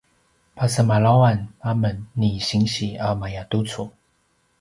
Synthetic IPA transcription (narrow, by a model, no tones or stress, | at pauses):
pʰasəmalawanamənːiɕiŋɕiamajat̪ut͡sʰu